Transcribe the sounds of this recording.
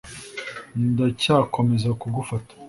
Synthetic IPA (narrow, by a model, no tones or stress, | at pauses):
ndacaːko̞me̞zakuɡufatḁ